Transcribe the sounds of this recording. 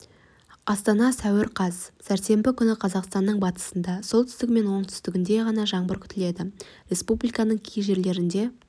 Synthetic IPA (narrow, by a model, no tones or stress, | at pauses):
ɑst̪ɑnɑsæwɪɾqʰɑzsæɾt̪se̞mbɪkʲʰʏnɪqʰɑzɑqst̪ɑnːəɴbɑt̪ə̥sənd̪ɑso̞lˠt̪ʰʏ̥st̪ɪk̚me̞nwo̞ɴt̪ʰʏ̥st̪ɪɡʲɪnd̪e̞ʁɑnɑʒɑɴbəɾkʲʰʏ̥t̪ɪle̞d̪ɪɾʲe̞spublijkɑnəɴkʲʰijʒe̞ɾle̞ɾɪnd̪e̞